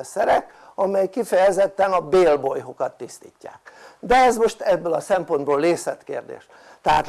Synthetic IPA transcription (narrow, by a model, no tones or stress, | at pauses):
ɛsɛɾɛk | ɒmɛjkifɛjɛzɛt̪ːɛnɒbeːlbojɦo̞kɒt̪ːist̪ḭːcːa̰ːk̚d̪ɛɛzmo̞ʃt̪ɛbːølɒsɛmpo̞nd̪boːlːeːsɛt̪kḛːrd̪ḛːʃ | t̪ɛɦa̰ːt̪